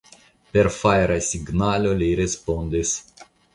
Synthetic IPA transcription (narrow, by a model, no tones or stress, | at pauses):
perfajɾasʲiɡnalʲolʲiɾespond̪ʲis